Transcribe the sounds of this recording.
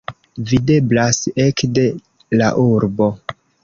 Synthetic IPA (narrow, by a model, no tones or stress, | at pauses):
vide̞blasekde̞ | la̰ʔuɾbo̞